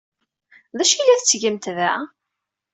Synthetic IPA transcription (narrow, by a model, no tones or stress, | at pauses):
ðæʃilːæθət͡sːʝəmt̪væ